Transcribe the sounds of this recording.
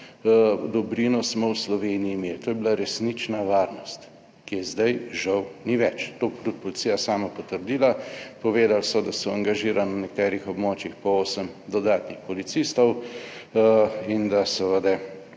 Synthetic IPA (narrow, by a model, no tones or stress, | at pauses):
d̪ɔbɾinɔsmɔwslɔʋeːniiːmeːlt̪oːjɛbilaɾɛsnit͡ʃnaʋaːɾnɔst̪ | kijɛzd̪ajʒawniʋɛt͡ʃt̪oːpɾut̪pɔlit̪sijasaːmapɔt̪əɾd̪iːlapɔʋeːd̪alsɔd̪asɔaŋɡaʒiːɾanwnɛkt̪ɛːɾixɔbmoːt͡ʃixpɔoːsəmd̪ɔd̪aːt̪nixpɔlit̪sist̪ɔw | ind̪asəʋəd̪ɛ